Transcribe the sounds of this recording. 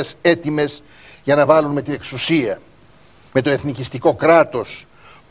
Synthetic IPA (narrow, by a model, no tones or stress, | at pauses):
ese̞t̪ime̞z | ʝɐnɐvɐlunmet̪ine̞ksusiɐ | me̞t̪o̞e̞θnicist̪iko̞kɾɐt̪o̞s